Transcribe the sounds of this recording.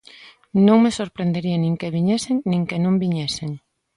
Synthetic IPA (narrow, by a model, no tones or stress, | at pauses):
nõŋmesoɾpɾend̪eɾiɐnĩŋkeβiɲɛseŋnĩŋkenõmbiɲɛseŋ